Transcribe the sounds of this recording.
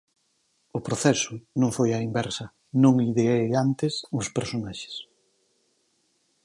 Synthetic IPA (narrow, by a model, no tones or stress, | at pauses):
ʊpɾoθɛsʊnõŋfojaimbɛɾsɐ | nõŋliðeejant̪ɪsʊspeɾsonaʃe̥s